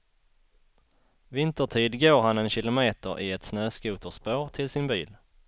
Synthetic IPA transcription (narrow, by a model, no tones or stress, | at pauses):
vɪnt̪əʈʰiːd̪ɡoːɾɦanɛnɕɪlʊmeːt̪əɾʔɪɛt̪snøːskuːt̪əʂpoːɾt̪ʰɪlsɪnbḭːl